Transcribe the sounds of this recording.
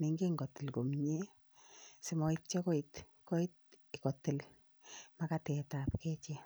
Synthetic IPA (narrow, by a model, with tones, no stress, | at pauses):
ni˨ŋɡe˦ŋɡɔ˨tːɪ˨lko˨mɲe˦ | sɪ˨mɔ˦ɪt̚t͡ʃɛ˦kɔ˦it | kɔ˦i˦t | ɪ˨kɔ˨tːɪ˨l | ma˦katɛ˨tapkɛ˦t͡ʃɛ˦